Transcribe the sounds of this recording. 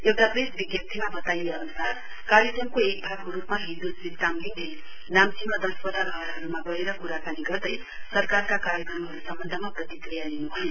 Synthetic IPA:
ewʈapresbiɡjʌt̪ʰimabʌt̪ajeʌnusar | kaɾjʌkrʌmkoek̚bʱaɡkoɾupmaɦind̪usid̪amɡile | namsimʌd̪ʌspʌd̪aɾʱʌɦʌɾɦʌɾumabʌeɾʌkuɾakaniɡʌrd̪ʌj | sʌrkarkakaɾjʌkrʌmɦʌɾusʌmbʌnd̪ʱʌmaprʌt̪ikrijaninubʱʌjon

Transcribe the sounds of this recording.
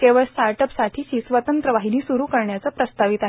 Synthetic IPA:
k̪eʋəɭstaɾʈəpsaʈʰiːɕiːsʋət̪ənt̪ɾəʋaɦiniːsuɾuːkəɾɳjat͡səpɾəst̪aʋit̪aɦe

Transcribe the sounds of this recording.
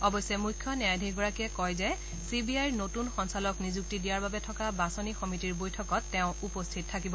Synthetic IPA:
ɔbɔjsɛmujkʰːjɔnaadʱiɡɔɹakɛkɔjzɛ | sibiajɹnotunxɔnsalɔknizuk̚tidijaɹbabɛtʰɔkabasɔnixɔmitiɹbojtʰɔkɔtːɛʊ̃upostʰit̚ʰːakibɔ

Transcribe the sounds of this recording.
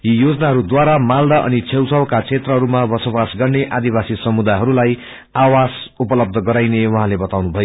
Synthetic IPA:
jijod͡zʌnaɦʌɾud̪waɾamald̪aʔʌ̰nit͡sʰewsʌwkat͡sʰet̪rʌɦʌɾumabʌsobasɡʌrneʔad̪ibasisʌmud̪ajɦʌɾulaj | awasupʌlʌb̚d̪ʱʌɡʌɾajnewʌɦãlebʌt̪awnubʱʌjo

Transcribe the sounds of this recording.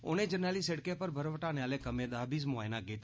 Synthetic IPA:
o̰ːnẽd͡ʒənaːliseɽkepəɾbʱəɾʋəʈaːnejaːlekɐmẽd̪aːbiːzmoaːjnaːɡeːt̪

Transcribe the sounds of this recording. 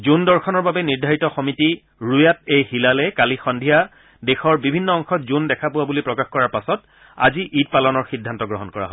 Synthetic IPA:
zundɔɹxɔnɔɹbabɛniɹdʱaɹitɔxɔmiti | ɹujat̚ejhilalɛkalixɔndʱija | dexɔɹbibʱinːɔɔŋxɔtzundɛkʰapʊwabulipɹɔkaxkɔɹaɹpasɔt | a̰ziʔit̚palɔnɔɹxidʱːantɔɡɹɔɦɔnkɔɹa̰ɦɔ

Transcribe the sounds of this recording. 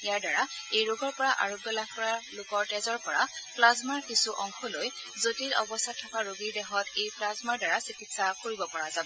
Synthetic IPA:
ijaɹdaɹaejɹoɡɔɹpɔɹaʔa̰ɹoɡjɔlak̚ʰkɔɹalokɔɹtɛzɔɹpɔɹapʰlazmaɹkisuʔɔŋkʰɔloj | zotilɔbɔstʰatʰːɔkaɹoɡiɹdɛxɔtejpʰlazmaɹdaɹasikitsakoɹibɔpɔɹazabɔ

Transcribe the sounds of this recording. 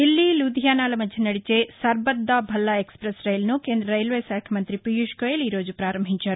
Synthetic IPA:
ilːilud̪ʱjaːnaːlɐmɐd̪ʱjɐnɐɽit͡ʃesɐɾbɐd̪ːabʱɐlːɐekspɾɐsɾɐjlnukeːnd̪ɾɐɾɐjlʋeːsaːkʰjɐmɐnt̪ɾipijuʃkoːjɐliːɾoːd͡ʒupɾaːɾɐmbʱiɲt͡ʃaːɾu

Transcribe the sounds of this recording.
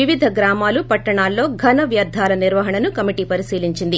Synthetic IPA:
iʋid̪ʱɐɡɾaːmaːlupɐʈːɐɳaːlːo̞ːɡʱɐnɐʋjɐd̪ʱːaːlɐniɾʋɐɦɐɳɐnukɐmiʈiːpɐɾisiːliɲt͡ʃind̪i

